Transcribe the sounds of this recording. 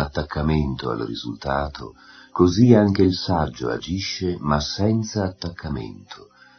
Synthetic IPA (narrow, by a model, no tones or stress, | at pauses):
at̪ːakʰːament̪oa̰lrḭzult̪aːt̪ʰo̰koziaŋk̟eilsad͡ʒːo̰a̰d͡ʒiʃːemasːɛnt̪saːt̪ːakːamḛnt̪ʰo